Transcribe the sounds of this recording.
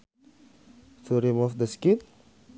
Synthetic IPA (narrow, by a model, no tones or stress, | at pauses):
t̪ʰuɾimufd̪əskit̪̚